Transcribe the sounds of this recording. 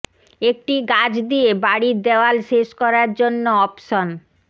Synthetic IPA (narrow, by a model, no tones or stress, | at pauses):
ek̚ʈiɡad͡ʑd̪iebaɽid̪eoalʃeʃkɔɾaɾd͡ʑonːoɔpʃon